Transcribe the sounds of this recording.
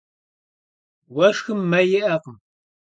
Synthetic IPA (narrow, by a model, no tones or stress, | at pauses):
wɐʂxɨmːɐjɪʔɐqəm